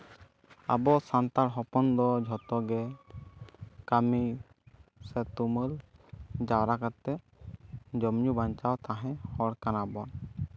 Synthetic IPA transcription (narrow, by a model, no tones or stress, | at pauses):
a̰bɔsant̪aɾɦɔpɔnd̪ɔd͡ʒʱɔt̪ɔɡɛ | kami | sɛt̪uməld͡ʒawɾakat̪ːɛ | d͡ʒɔmɲubaɲt͡ʃawt̪aɦɛ̃hɔɽkanabɔn